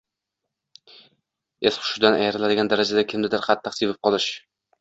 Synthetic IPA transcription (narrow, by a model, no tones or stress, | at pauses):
esχʊ̥ʃɪd̪anajaɾɪlad̪ɪɡʲand̪aɾad͡ʒad̪akʲʰɪmd̪ɪd̪ɪɾqʰɑt̪ʰːɨqsʰevɪp̚qʰɒlˠɪʃ